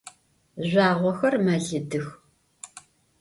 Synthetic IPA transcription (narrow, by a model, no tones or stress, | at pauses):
ʑʷaːʁʷɔxɐrmɐɮɨdɨx